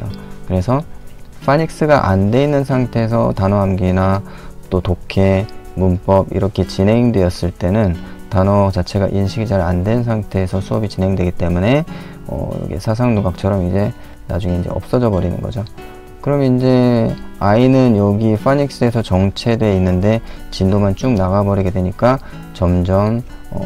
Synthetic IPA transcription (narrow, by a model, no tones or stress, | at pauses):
okɯɾe̞sʰʌɸʰaɲik̚s͈ɯɡaʔandwe̞inːɯnsʰaŋtʰe̞ːs̬ʰʌtanoɦamɡina | t͈otokʰe̞munp͈ʌbḭɾʌkʰe̞t͡ɕinɦe̞ŋdwe̞ʌs͈ɯɭt͈e̞nɯntanot͡ɕat͡ɕʰe̞ɡa̰ʔinɕʰiɡid͡ʑaɾa̰ndwe̞nsʰaŋtʰe̞ːsʰʌsʰuʌbit͡ɕinɦe̞ŋdwe̞ɡit͈e̞mune̞ | ʌ̰jʌ̰ɡḛsʰas̬ʰaŋnuɡak̚t͡ɕʰʌɾʌmid͡ʑe̞ | na̰d͡ʑuŋe̞ind͡ʑe̞̰ʌ̰p̚s͈ʌd͡ʑʌbʌɾinɯ̰nɡʌ̰d͡ʑo | kɯɾʌmjʌnind͡ʑe̞ainɯnjʌɡifʰaɲik̚s͈ɯe̞sʰʌt͡ɕʌŋt͡ɕʰe̞dwe̞inːɯnde̞t͡ɕindomant͡ɕumnaɣabʌɾiɡe̞dwe̞ɲik͈a | t͡ɕʌmd͡ʑʌm | ʌ̰